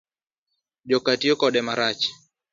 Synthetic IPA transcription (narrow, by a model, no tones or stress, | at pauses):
d͡ʒɔkatiɔkɔɗɛmaɾat͡ʃ